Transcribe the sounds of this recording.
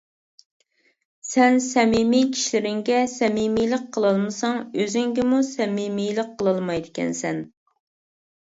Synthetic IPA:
sɛnsɛmimijt͡ʃʲʰi̥ʃlɪɾɪŋɡʲɛsɛmimijlˠəq̚qʰəlˠɨlˠmɨsɑŋøzɪŋɡʲɪmusɛmimijlˠəqqʰːəlˠɨlˠmɑjd̪ɪkʲɛ̰nsɛn

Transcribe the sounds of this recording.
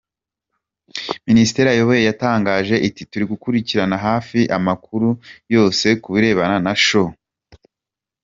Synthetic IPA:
ministe̞ɾajo̞βo̞je̞jataːŋɡaːʒe̞ʔitituɾiɡukuɾiciɾanaɦaːfiʔamakuɾujo̞ːse̞kuβiɾe̞ːβananaʃo

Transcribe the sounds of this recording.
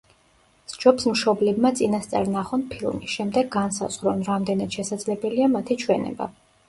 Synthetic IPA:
sd͡ʒɔpsmʃɔblɛbmat̪sʼinast̪sʼa̰ɾnaχɔnpʰilˠmisʃɛmd̪ɛɡːansa̰z̥ʁɾɔnɾamd̪ɛnad̪̥ʃɛsad̪zlɛbɛliamat̪ʰit͡ʃʰwɛnɛ̰ba̰

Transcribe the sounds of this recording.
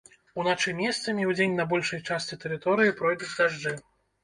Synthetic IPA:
unat͡ʂɨmʲɛst̪sɐmʲiwd͡zʲenʲnɐbɔlʲʂɐjt͡ʂast͡sʲɛt̪ɛɾɨt̪ɔɾɨjipɾɔjd̪ut͡sʲd̪aʐd͡ʐɨ

